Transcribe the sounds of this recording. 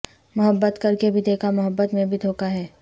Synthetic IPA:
mʊɦəbːət̪kɐɾkebʱid̪eːkʰamʊɦəbːət̪mẽbʱid̪ʱoːkaɦɛː

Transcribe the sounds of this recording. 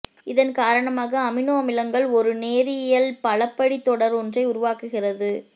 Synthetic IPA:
ɪðɐnkaːɾɐɳɐmaːɣɐːmɪnoːɐmɪlɐŋɡɐɭɔɾɯneːɾɪjɐlpɐɭɐpːɐɽit̪ːɔɽɐɾɔndrɐɪʊɾʊʋaːkɯɣɪrɐðɯ

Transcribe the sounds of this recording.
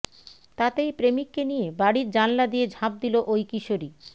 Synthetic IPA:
t̪at̪ejpɾemikːenijebaɽiɾd͡ʑanlad̪ijed͡ʑʱãp̚d̪iloʔojkiʃoɾi

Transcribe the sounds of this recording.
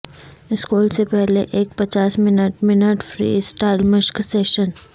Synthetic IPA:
ɪskuːlsepɛɦleʔeːk̚pɐt͡ʃaːsmɪnəʈmɪnəʈfɾḭːsʈaːɪlmɪʃkseːʃən

